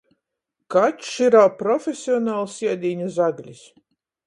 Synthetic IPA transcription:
kat̪ʃiɾawpɾɔfʲesʲiɔnaːlˠsiɛd̪ʲiːɲazaɡlʲis

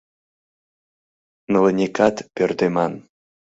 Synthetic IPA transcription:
nələnʲekɑt̪pʲørt̪emɑn

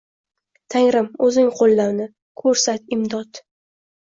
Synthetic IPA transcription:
t̪ʰaŋɾɪmɵzɪŋqʰolˠːaɾnɪ | kʰɵɾsat̪ɪmd̪ɒt̪

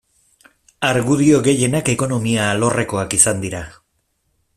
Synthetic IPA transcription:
aɾɣuðio̞ɣe̞je̞nake̞ko̞no̞miaːlo̞re̞ko̞akisand̪iɾa

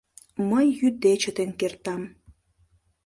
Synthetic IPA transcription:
məjːyd̪et͡ɕət̪enkert̪ɑm

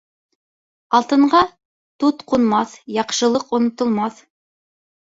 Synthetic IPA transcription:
ɑlˠt̪ɤ̆ɴɢɑ | t̪ut̪qunmɑθjɑqʃɤ̆lˠɤqŏnŏt̪ŏlˠmɑθ

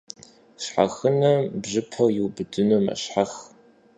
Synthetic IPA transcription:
ɕħa̰xɨnɐbʑɨpʰɐwjɪwbɨdɨnomɐ̰ɕħax

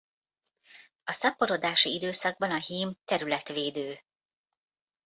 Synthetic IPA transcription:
ɒsɒpo̞ɾod̪aːʃiid̪øːsɒɡ̚bɒnɒɦiːmt̪ɛɾylɛt̪ʋeːd̪øː

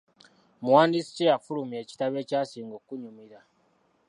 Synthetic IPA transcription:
mwaːnisi̥cejafulumje̞ːci̥taβe̞ːcasiːŋɡokuɲumiɾa

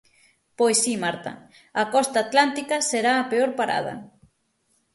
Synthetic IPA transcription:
pojsːimaɾt̪ɐ̰ | akɔst̪aːt̪lant̪ikɐseɾaːpeoɾpaɾa̰ð̞ɐ̰

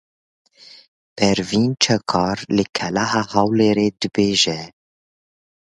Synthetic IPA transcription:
b̥ɛɾviːnt͡ʃʰɛkʰɑːɾlɨkʰɛlaɦaːhɑwleːɾeːd̪ɨbeːʒɛ

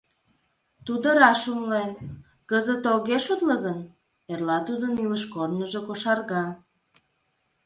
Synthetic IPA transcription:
t̪ud̪ə̆ɾɑʃumlen | kəzət̪oɣeʃut̪ləɣən | erlɑt̪ud̪əniləʃkornəʒekoʃɑrɣɑ

